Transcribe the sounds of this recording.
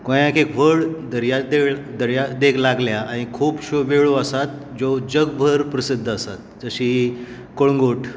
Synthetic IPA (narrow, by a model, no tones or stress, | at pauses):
kõjãkekʋ̤əɭd̪əɾjad̪ed̪əɾjad̪ekʰlaɡljaaɽ̃ikʰuːpɕoʋeɭoəsat̪̚ | d͡zod͡ʑəɡbʱəɾpɾəsid̪ʱːəsat̪̚d͡zəɕiː | koɭŋɡoʈʰ